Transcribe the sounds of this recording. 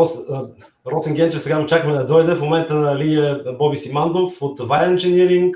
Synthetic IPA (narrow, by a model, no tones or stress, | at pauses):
ɔs | ɾɔt̪siŋɡʲɛntt͡ʃɛfsɛɡamot͡ʃakəmɛd̪ɐd̪ɔjd̪ɛfmomɛnt̪ənɐlinəbɔbisimand̪ofot̪vajnnʒɛnʲiɾiŋk